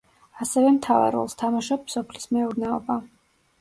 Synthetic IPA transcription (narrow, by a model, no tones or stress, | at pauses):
asɛvɛmt̪ʰava̰ɾɔ̰lˠst̪ʰamaʃɔpːsɔpʰlismɛuɾnɛɔ̰ba